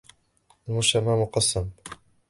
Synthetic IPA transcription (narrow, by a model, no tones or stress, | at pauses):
ʔalmʊʃamamʊqɑsːam